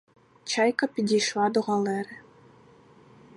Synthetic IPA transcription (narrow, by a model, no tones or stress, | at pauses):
t͡ɕɑjkɤ̆pʲid̪ʲiʂlɑd̪uʁɑlʲˠeɾʲɘ̆